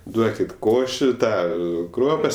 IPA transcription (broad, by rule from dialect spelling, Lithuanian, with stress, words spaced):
ˈduɔkʲɪt ˈkoːʃʲɪ ˈtɑː ˈkruɔpɐs